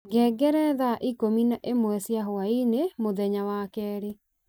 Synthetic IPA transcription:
ɡɛɡɛɾɛðaʔikominaʔemwɛsjaɦoainemoðɛɲawakɛːɾe

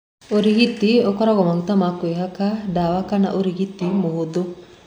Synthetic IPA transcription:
oɾiɡit̪ːiokɔɾaɡɔmaŋt̪amakueɦakaɖaʋakana̰ʔoɾiɡit̪ːimoɦud̪u

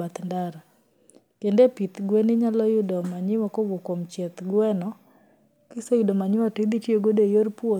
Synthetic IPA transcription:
at̪ndaɾa | kendepit̪ɡwɛnɪɲalɔjʊdɔmaɲɪwɔkowokomt͡ʃɛt̪ɡwɛnɔ | kɪsɔjʊdomaɲɪwatid̪itjoɡodejoɾpo

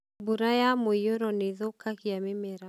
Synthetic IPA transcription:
buɾajamoijoɾɔneðokakiamemeɾa

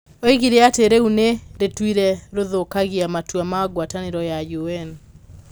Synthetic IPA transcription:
oiɣiɾeateɾeuneɾetwiɾɛɾoðokaɣiamatwamaɡwataneɾɔjajuɛn

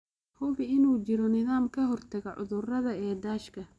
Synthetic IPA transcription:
huːβɪnuːt͡ʃɪɾɔnɪðaːmkʰɐɦɔrt̪ʰɐɣɐʕʊ̰ðʊrɐðɐɛːd̪aːʃkʰɐ

